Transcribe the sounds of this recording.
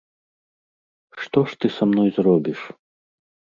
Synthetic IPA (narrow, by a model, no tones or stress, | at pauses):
ʂt̪ɔʂt̪ɨsamnɔjzrɔbʲiʂ